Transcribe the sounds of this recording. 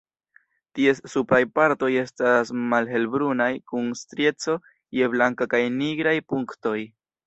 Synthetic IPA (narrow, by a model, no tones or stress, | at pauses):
tie̞ssupɾajpaɾto̞je̞stasmalɦe̞lbɾunajkunstɾje̞t͡so̞ | je̞blaŋkakajniɡɾajpuŋkto̞j